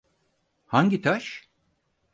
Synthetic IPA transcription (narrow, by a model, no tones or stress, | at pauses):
haɲɟit̪ʰaʃ